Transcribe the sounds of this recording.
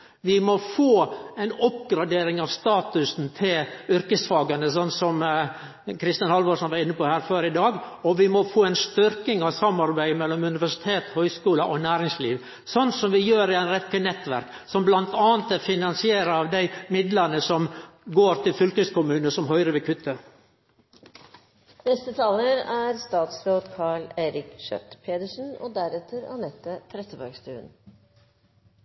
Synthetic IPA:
ʋɪmɔfoːæɪnɔpɡɾɑd̪eːɾɪŋɑʋst̪ɑːt̪ʉsn̩t̪ʰɪlʏɾkəsfɑːɡɑnəs̬ɔnːsɔm | kʰɾɪst̪ənhɑlʋɔʂɔnʋɑɾɪnːəpɔhæːɾføːɾɪd̪ɑːɡɔʋɪmɔfoːæɪnst̪ʏɾkɪŋɑʋsɑmːɑɾbæɪmɛlːɔmʉnɪʋæʂɪ̥t̪ʰeːt̪hœʏskuːləʔɔnæːɾɪŋslḭːʋ | sɔnːsɔmʋɪjøːɾɪænɾɛkːənɛt̪ːʋæ̰ɾk | sɔmblɑnt̪ɑːnt̪æfɪnɑnsɪeːɾəɑːʋd̪æɪmɪd̪lɑnəsɔmɡoːɾt̪ʰɪlfʏlkəskʊmʉːnəsɔmɦœʏɾəʋɛkʰʉt̪ʰːə | nɛst̪ət̪ʰɑːləɾæɾst̪ɑːt̪sɾoːd̪kʰɑːɭeːɾɪkʃœ̰t̪pʰeːd̪əʂn̩o̰d̪æɾɛt̪ʰːəɾɑ̰nɛt̪ːət̪ʰɾɛt̪əbœ̰ɡst̪ʉ̰ːə̰n

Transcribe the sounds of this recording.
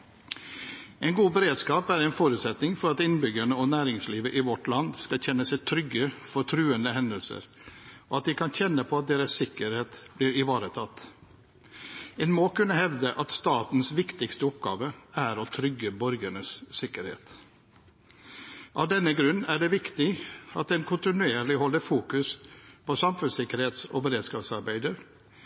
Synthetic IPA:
ɛɪnɡuːbəɾeːd̪skɑːpæɾɛɪnfoːɾʉːt̪sɛt̪nɪŋfɔɾɑt̪ɪnbʏɡəɳəɔnæːɾɪŋsliːʋəʔɪʋɔʈlɑnd̪skɑlçɛnːəsɛɪt̪ʰɾʏɡːəfɔʈʰɾʉːənd̪əhɛnd̪əlsə̰ɾoːɑt̪̚d̪ɪkʰɑnçɛnːəpʰoːɑt̪̚d̪eːɾəssɪkəɾheːt̪bliːɾɪʋɑːɾət̪ʰɑt̪ː | ɛnmoːkʉnːəhɛʋd̪əʔɑt̪st̪ɑːt̪n̩sʋɪkt̪ɪkst̪əʊpɡɑ̰ːʋəæɾoːt̪ʰɾʏɡəbɔɾɡəɳəssɪkəɾhḛːt̪ | ʔɑ̰ʋd̪ɛnəɡɾʉnæːɖeːʋɪkt̪ɪɑt̪̚d̪ɛnkʰʊnt̪ɪnʉeːɾlɪhɔlːəɾfuːkʉspʰosɑmfʉnsɪkəɾheːt̪so̰ːbəɾeːd̪skɑːpsɑɾbæɪd̪əɾ

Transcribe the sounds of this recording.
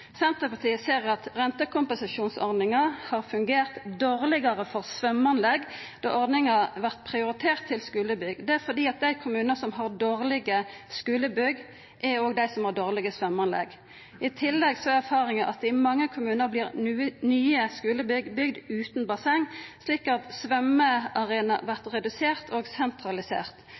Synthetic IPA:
sɛnt̪ʁəpɑʁt̪iːəseːʁɑt̪ʁɛnt̪əkʰʊmpɛnsɑʃuːnsɔ̰ʁd̪nɪŋɑhɑːɾfʉŋɡeːʁt̪d̪oːʁlɪɡɑɾəfɔʁsʋœmɑnlɛɡ | d̪̥ɑ̰ːʔɔɾd̪nɪŋɑʋæʁt̪pʰʁɪʊɾɪt̪ʰeːʁt̪ʰːɪlskʉːləbʏɡd̪ɛæɾfɔd̪iːɑt̪̚d̪æɪkʰʊmʉːnəsɔmɦɑʁd̪oːʁlɪɡəskʉːləbʏɡː | ʔæoːɡd̪æɪsɔmhɑʁd̪oːʁlɪɡəsʋœmːɑnlɛ̰ɡ | ʔɪt̪ʰɪlːɛɡsɔæɾfɑːʁɪŋəʔɑt̪ɪmɑŋːəkʰʊmʉːnəɾbliːɾnyːəskʉːləbʏɡbʏɡd̪ʉːt̪nbɑsɛŋsliːkɑt̪sʋœməɑʁeːnɑ̰ʋæʁt̪ʁɛd̪ʉseːʁt̪ʰoːɡsɛnt̪ɾɑlɪsḛːʁt̪

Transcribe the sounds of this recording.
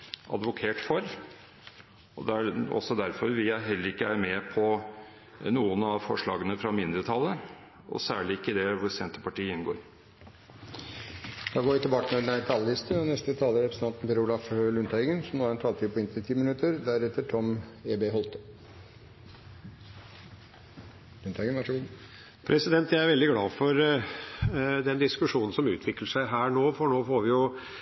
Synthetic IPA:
ʔɑ̰d̪ʋʊkʰeːʈfɔɾ | ɔd̪ɛæɔ̰sɔd̪æɾfɔɾʋɪɦɛlːəɾɪkːəæɾmɛpʰɔ | nuːənɑfɔʂɭɑːɡənəfɾɑmɪnd̪ɾət̪ʰɑlːə | ɔ̰sæːɭɪɪkːəd̪ɛʋʊɾsɛnt̪əpɑʈiːəɪnɡo̰ːɾ | d̪̥ɑːɡoːʋɪt̪ʰɪbɑːkənɛd̪næt̪ʰɑlːɪst̪ənɛst̪ət̪ʰɑːləɾɛpɾsɛt̪ɑnt̪n̩pʰɛɾulɑflʉnt̪ɛɡənsɔmnoːæɾɛnt̪ʰɑːlt̪iːpɔɪnt̪ɪt̪ʰiːmɪnʉt̪əɾd̪æɾɛt̪ːəʈʰɔmeːbeːɦɔlt̪ə̥ | lʉnt̪ɛɡənʋɑʂəɡuːd̪ | pʰɾʔɛsɪd̪ɛnt̪jæɪæɾʋɛld̪ɪɡlɑːfɔɾ | d̪ɛnd̪ɪskʉʂuːnn̩sɔmʉːt̪ʰʋɪkləʂæɪɦæːɳoːfɔɳoːfoːɾʋɪjʊ

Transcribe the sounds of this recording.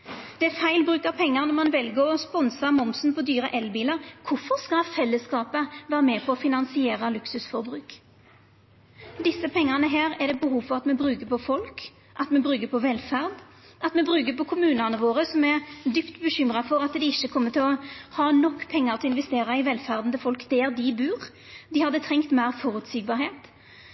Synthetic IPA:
d̪̥ɛæɾfæɪlbɾʉːkɑpʰɛŋːəʁnɔʁmɑnʋɛlɡəɔspɔnsɑmɔmsnpʰɔd̪yːɾəʔɛlbiːləɾkʰʊfɔʁskɑfɛlːəskɑːpəʋæːɾəmɛpʰɔɔfɪnɑnsɪeːɾɑlʉksʉsfɔɾbɾʉːk | d̪ɪsːəpʰɛŋːɑʁnəɦeːɾɛd̪ɛbəɦuːʋfɔʁɑt̪mɛbɾʉːkəpʰɔfɔlk | ʔɑt̪mɛbɾʁʉːɡəpʰɔʋɛlfæʁd̪ | ʔɑt̪mɛbʁʉːɡəpʰɔkʰʊmʉːnɑnəʋoːʁəsɔmɛʁd̪ypt̪bəɕʏmʁɑfɔɾɑt̪d̪ɪɪʃːəkʰɔmːət̪ʰɪlɔhɑːnɔkːpʰɛŋːəʁt̪ʰɪɔɪnʋɛst̪eːɾɑɪʋɛlfæʁd̪nd̪əfɔlkd̪̥ɛːɾd̪ɪbʉːʁ | d̪ɪhɑd̪ːət̪ʰʁɛŋkt̪mæɪʁfɔɾʉt̪siːɡ̚bɑːɾheːt̪

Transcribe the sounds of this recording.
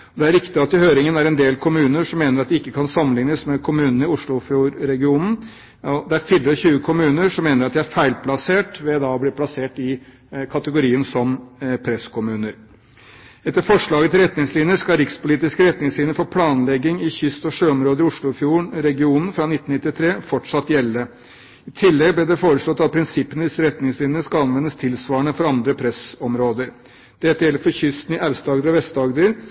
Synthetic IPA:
ɔd̪ɛæɾɪkt̪ɪɑt̪ːɪhøːɾɪŋənæɾɛnd̪eːlkʰʊmʉːnəʂɔmːeːnəɾɑt̪̚d̪ɪɪkːəkʰɑnsɑmːənlɪŋnəsmɛkʰʊmʉːnənəɪʊʂɭʊfjuːɾɾɛɡɪuːnn̩ | ɔd̪ɛæɾfɪlːɾəçʉːəkʰʊmʉːnəʂɔmːeːnəɾɑt̪̚d̪ɪæɾfæɪlpʰlɑseːʈʋɛd̪ɑɔblɪɾpʰlɑseːʈɪ | kʰɑt̪əɡʊɾiːənsɔmpʰɾɛskʰʊmʉːnəɾ | ɛt̪ːəɾfɔʂɭɑːɡət̪ʰɪlɾɛt̪nɪŋslɪnjəʂkɑɾɪkspʊliːt̪ɪskəɾɛt̪nɪŋslɪnjəɾfoːpʰlɑːnlɛɡːɪŋɪçʏst̪ɔʂøːɔmɾoːd̪əɾɪʊʂɭʊfjuːɳɾɛɡɪuːnn̩fɾɑnɪt̪ːn̩ɪt̪ːɪt̪ʰɾeːfɔʈʂɑt̪ːjɛlːə | ɪt̪ʰɪlːɛɡ̚blɛd̪ɛfoːɾəslɔt̪ːɑt̪̚pʰɾɪnsɪpːənəd̪ɪsːəɾɛt̪nɪŋslɪnjənəʂkɑɑnʋɛnːəst̪ʰɪlsʋɑːəɳəfɔɾɑnd̪ɾəpʰɾɛsɔmɾoːd̪əɾ | d̪̥ɛt̪ːjɛlːəɾfɔçʏst̪n̩ɪʔæʋst̪ɑːɡd̪əɾɔʋɛst̪ɑɡd̪əɾ

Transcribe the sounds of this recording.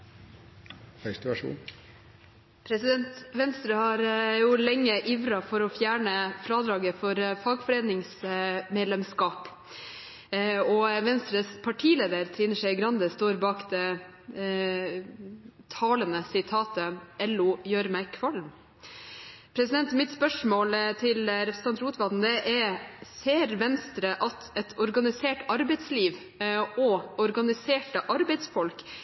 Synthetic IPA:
fɛst̪æʂṵːn | pʰɾɛsɪd̪ɛnt̪ʋɛnst̪ɾəhɑɾjuːlɛŋːəʔiːʋɾɑfɔɾɔfjæːɳəfɾɑːd̪ɾɑːɡəfɔɾfɑːɡfɔɾeːnɪŋsmeːd̪lɛmskɑːp | ɔʋɛnst̪ɾəspʰɑʈʰiːleːd̪əɾt̪ʰɾiːnəʂæɪɡɾɑnd̪əst̪oːɾbɑːkd̪ɛ | t̪ʰɑːlənəsɪt̪ʰɑːt̪əɛlːʊjøːɾmæɪkʰʋɑlm | pʰɾɛsɪd̪ɛnt̪mɪt̪spœʂmoːlt̪ʰɪlɾɛpʰɾst̪ɑnt̪ɾuːt̪ʋɑd̪n̩d̪ɛʔɛɾseːɾʋɛnst̪ɾəʔɑt̪ɛt̪ʰɔɾɡɑnɪseːʈɑɾbɛɪt̪sliːʋ | ɔɔɾɡɑnɪseːʈəʔɑɾbɛɪt̪sfɔlk

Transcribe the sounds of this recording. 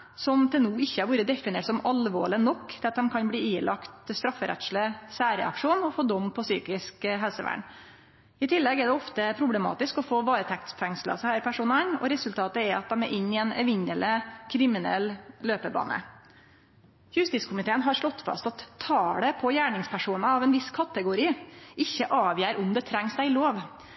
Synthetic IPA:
sɔmt̪ʰɪlnuːɪçːəæɾʋuːɾəd̪ɛfɪneːʈsɔmɑlʋo̰ːɭɪnɔkːd̪̥ɑt̪̚d̪ɛmkʰɑnbliːiːlʔɑkt̪st̪ɾɑfːəɾʔɛ̰t̪sləsæːɾɛ̰ɑ̰kʂuːnɔfoːd̪ɔmːpʰɔsyːkɪskɦɛlsəʋæ̰ːɳ | ɪt̪ʰɪlːɛɡɛɖɛɔft̪əpʰɾʊblɛmɑ̰ːt̪ɪskɔfoːʋɑːɾət̪ʰɛk̚t̪sfɛŋslə̰shæɾpʰæʂuːnənɔ̰ɾɛsʉlt̪ʰɑːt̪əɛɾɑt̪̚d̪ɛmɛɾʔɪnːɪɛnɛʋɪɲələkʰɾɪmɪnɛ̰lːløːpəbɑ̰ːnə̰ | jʉst̪ɪt̪skʊmɪt̪ʰeːənɦɑɾʂɭɔt̪ːfɑ̰st̪ɑt̪ʰːɑːɽəpʰɔjæːɳɪŋspʰæʂuːnɑɑʋɛnʋɪskʰɑt̪əɡʊɾiːʔɪçːəʔɑːʋjæːɾʊmd̪ɛt̪ʰɾɛŋsd̪æɪloːʋ

